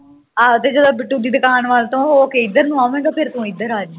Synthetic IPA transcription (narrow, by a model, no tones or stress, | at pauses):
aːt̪eːd͡ʒəd̪õːbɪʈːuːɖiːd̪ɪkaːnʋaːlt̪õːɦookeːɪd̪əɾnũːaːmɛ̃ːɡaːpʰɪɾt̪ũːɪd̪əɾaːd͡ʒ